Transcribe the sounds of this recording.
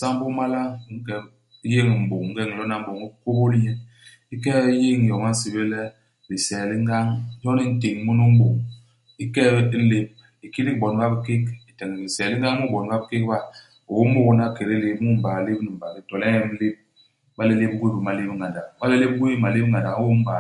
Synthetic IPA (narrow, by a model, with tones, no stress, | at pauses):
sa˦m˦bo˦ma˦la˦˨˦ŋ̩˦kɛ˨˦ | je˦ŋi˨m̩˨bo˨ŋ˨ŋ̩˦ɡɛ˦ŋ˨lɔ˦na˦˨m̩˦bo˨ŋi˦ko˦bo˦li˦je˨ | i˦kɛ˦je˦˨ŋ˨jɔ˨ma˦si˨be˦lɛ˦ | bi˨sɛ˨li˦ŋ˦ɡa˦ŋ˦jɔ˦ni˦n̩˦te˨ŋmu˦nu˦m̩˦bo˨ŋ | i˦kɛ˦le˦b̚ | i˨ki˦li˦bɔ˨n˦ba˦bi˦ki˦ki˨tɛ˨ŋi˨bi˨sɛ˨li˦ŋ˦ɡa˦ŋ˦mu˦bɔ˨n˦ba˦bi˦ke˦k̚ba˦ | o˨wo˦m˦u˦˨wo˨na˦˨ke˨ɾi˦le˨bmu˦m̩˦ba˨le˦bni˨m̩˨ba˨bi˦tɔ˨lɛ˦jɛ˦le˦p̚ | ba˦le˦le˦bɡʷwe˦bi˨ma˨le˦bŋa˨da˨˦ba˦le˦le˦b̚ɡʷe˦i˦ma˨le˦bŋa˨da˨˦wo˦m̩˦ba˨